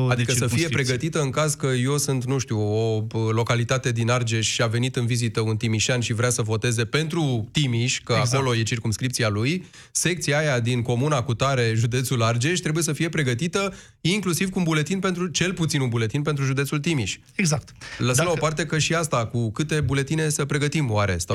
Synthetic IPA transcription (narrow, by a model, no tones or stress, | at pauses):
ad̪ikəsəfie̞pɾe̞ɡət̪it̪əɨŋkazkəjo̞wsɨnt̪nuʃt̪iuo̞əlo̞kalit̪at̪e̞d̪inard͡ʒe̞ʃʲʃiave̞nit̪ɨnvizit̪əunt̪imiʃanʃivɾeasəvo̞t̪e̞ze̞pe̞nt̪ɾut̪imiʃʲkəako̞lo̞je̞t͡ʃirkumskɾipt̪sialuj | se̞k̚t̪sijaajad̪inko̞munakut̪aɾe̞ʒud̪e̞t̪sulard͡ʒeʃʲt̪ɾe̞buje̞səfije̞pɾe̞ɡət̪it̪ə | iŋklusiv̥kuːnbule̞t̪inpe̞nt̪ɾut͡ʃe̞lput̪sinumbule̞t̪inpe̞nt̪ɾuʒud̪esult̪imiʃʲ | eɡzak̚t̪ləsəəmlao̞part̪e̞kəʃiast̪akukɨt̪e̞bule̞t̪ine̞səpɾe̞ɡət̪imoaɾe̞̰sa